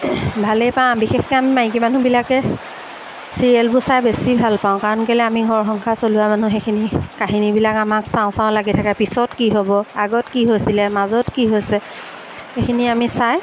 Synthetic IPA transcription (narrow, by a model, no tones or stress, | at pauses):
bʱalɛpãbixexkɛamimãkimanubilakɛ | siɹiɛlbʊsajbesibʱalpaʊ̃kaɹɔnkelɛamiɡʱɔɹxɔŋkʰasolʊwamanuxekʰinikaɦinibilakamaksãʊ̃sãʊ̃laɡitʰakapisɔtkiɦobɔaɡɔtkiɦojsilɛmazɔtkiɦojsɛ | xekʰiniamisaj